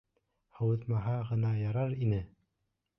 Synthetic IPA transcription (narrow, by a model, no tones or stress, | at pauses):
hɑwɤ̆ðmɑɦɑʁɤ̆nɑjɑɾɑɾinɘ